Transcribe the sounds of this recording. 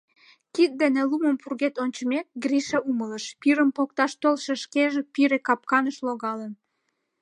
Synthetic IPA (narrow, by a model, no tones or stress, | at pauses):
kit̪̚d̪eneluməmpurɣet̪onʲt͡ɕəmek̚ɡriʃeumələʃpiɾəmpok̚t̪ɑʃt̪olʃeʃkeʒepiɾekɑp̚kɑnəʃloɣɑlən